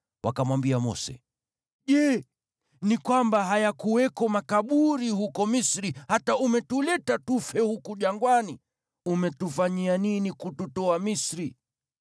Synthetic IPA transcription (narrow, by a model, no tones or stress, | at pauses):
wʔakamwambiamɔ̰sɛ̰ | ʄɛ | nikwambaɦajakuwɛkɔmakaɓuɾihukɔmisɾihataumɛtulɛtatufɛhukuʄaŋɡwani | umɛtufaɲianinikututɔamisɾi